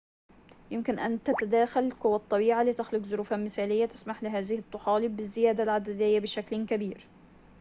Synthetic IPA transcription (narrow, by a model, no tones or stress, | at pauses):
jɪmkɪnʔa̰nt̪at̪ad̪aːxalkʊwːat̪ˤːɑbiːʕalɪt̪ɪxlʊkzʊɾuːfamɪθaːlɪjːat̪ɪ̥smaħlɪɦaːðɪhɪt̪ˤːʊħɑːlɪbːɪzːɪjaːd̪alʕad̪ɪd̪ɪjːabɪʃaklkabiːɾ